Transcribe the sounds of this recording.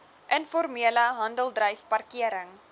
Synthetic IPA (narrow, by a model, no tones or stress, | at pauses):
ʔənfɔrmiələɦɐndəlˠdrəjfpɐrkiəɾəŋ